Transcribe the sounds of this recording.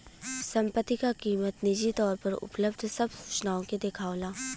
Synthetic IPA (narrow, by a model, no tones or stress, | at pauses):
sɐ̃mpət̪ːikakiːmət̪nɪd͡ʒit̪ɔːɾpɐɾʊ̰pləbd̪ʱsɐbsuːt͡ʃnaːõked̪ekʰaːolaː